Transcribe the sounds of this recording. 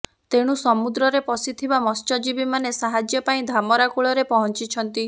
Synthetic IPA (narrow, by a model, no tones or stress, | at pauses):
t̪eɽ̃usɔmud̪ɾɔɾepɔsit̪ʰibamɔst͡ʃɔd͡ʒibimanesaɦad͡ʒjɔpaĩd̪ʱamɔɾakuɭɔɾepɔɦɔnt͡ʃit͡ʃʰɔnt̪i